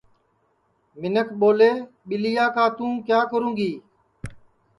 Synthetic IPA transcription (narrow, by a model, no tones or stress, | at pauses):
mɪnəkʰɓoːleː | ɓɪlijaːkaːt̪ũːkjaːkəɾũːɡiː